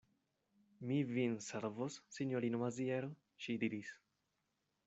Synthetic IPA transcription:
mivinseɾvosːiɲoɾinomazieɾo | ʃid̪iɾis

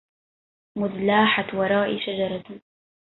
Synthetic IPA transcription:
mʊðlaːħat̪wɑɾˤɑːʔiʃad͡ʒɑɾˤɑt̪

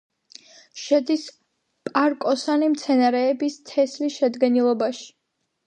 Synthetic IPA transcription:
ʃɛd̪is | pʼaɾkʼɔsanimt̪sʰɛnaɾɛːbist̪ʰɛslisʃɛd̪ɡɛnilˠɔbaʃi̥

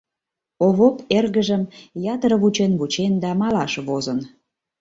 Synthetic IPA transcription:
oβoperɣəʒəmjɑt̪ɾəβut͡ɕenβut͡ɕend̪æmɑlɑʃβozən

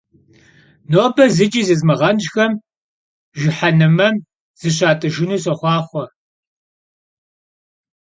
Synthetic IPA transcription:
noːbʰɐzɨt͡ʃʼiːzɨzmɨʁɐnʒxɐm | ʒɪħanɨmɐm | z̥ɨɕaːtʼɨʒɪnuːs̬ɐχʷɑːχʷɔ

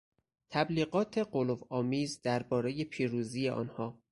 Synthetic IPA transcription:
t̪ʰæbliːɢɒːt̪ʰe̞ɢolovɒːmiːzd̪æɾbɒːɾe̞je̞pʰiːɾuːziːjeʔɒ̰ːnhɒː

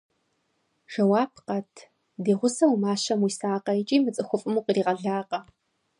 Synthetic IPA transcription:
ʒ̥ɐwaːp̚ʰqɐtʰ | deːʁʷʊsɐwumaːʃɐmwisaːqɐɪt͡ʃʼiːmɨt͡sʼɨxʷʊfʼɨmuːqriːʁɐɮaːqʼɐ

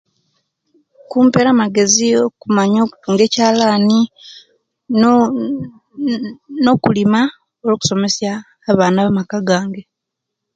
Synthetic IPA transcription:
kuːmpe̞ɾamaɡe̞zio̞kumaɲo̞ːku̥tuːŋɡe̞ːcaːlaːni | no̞kulima | oloːku̥so̞me̞sjaː | βaːnaβamakaɡaːŋɡe

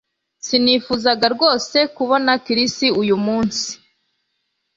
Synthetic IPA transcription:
siniːfuzaɡaɾɡo̞ːse̞kuβo̞nakiɾistiujumuːnsi̥

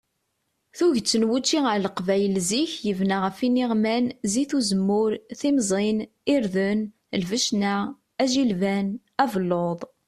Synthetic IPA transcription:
θuʝt͡sːənwut͡ʃːiəɾləqvæjəlziçjəvnaʁəfiniʁmænziθuzəmːʊɾθimzˤin | iɾðən | lvəʃna | æʒilvæn | ævəlːoðˤ

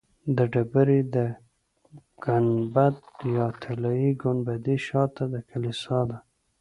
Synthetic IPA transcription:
d̪əɖabəɾid̪ə | ɡ̥anbat̪̚jɑt̪ʰalɑiɡʊnbad̪iʃɑt̪ːad̪əkʰalisɑd̪a

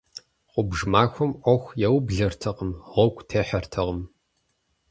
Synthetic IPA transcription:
qʷʊbʒmaːxʷʊmʔʷɔxʷjɛwbɮɐrtʰɐqəmʁʷɔkʷʰʼtʰeːħɐrtʰɐʁəm

